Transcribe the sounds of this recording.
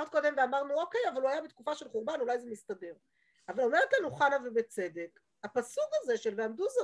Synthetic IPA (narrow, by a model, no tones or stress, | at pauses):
d̪̚ko̞d̪e̞mveamaʁnuo̞ke̞javaluajabetkufaʃelχuʁbanulajzemist̪ade̞ʁ | avalomeʁt̪lanuχanavebet͡se̞de̞k | apasukaze̞ʃelveamd̪uza